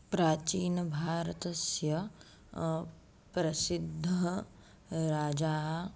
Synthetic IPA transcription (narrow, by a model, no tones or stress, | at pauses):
pɾaːt͡ʃiːnbʱaːɾət̪ɐsjɐ | pɾɐsɪd̪ʱːə | ɾaːd͡ʒaːɦ